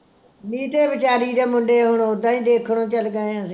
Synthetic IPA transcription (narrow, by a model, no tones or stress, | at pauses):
miːt̪eːbɪt͡ʃaːɾiːd̪eːmʊɳɖeːɦʊɳod̪ãːĩːd̪eːkʰɽ̃õːt͡ʃəlɡəẽsː